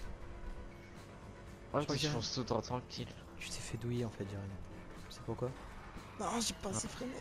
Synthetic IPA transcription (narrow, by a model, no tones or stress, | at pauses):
ʔaʒakɛɔ̃st̪ut̪ɑ̃t̪χɑ̃kʲʰil | t̪y̥t̪ʰefed̪uiɑ̃fɛt̪̚d̪iʁɛ̃ | t̪y̥sɛpuʁkwa | nɔ̃ʒepasefχene